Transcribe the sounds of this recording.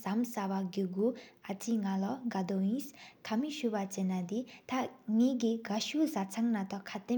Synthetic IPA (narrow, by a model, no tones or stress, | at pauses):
samsawaɡiɡuʔat͡sʰiŋalɔŋɡad̪ojiskʰamiɕupat͡ɕenːad̪it̪ʰaŋekiɡaɕusat͡sʰaŋnat̪ɔkʰat̪e